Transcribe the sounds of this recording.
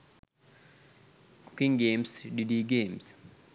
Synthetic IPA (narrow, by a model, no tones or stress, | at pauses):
ko̥kiŋɡemsdidiɡems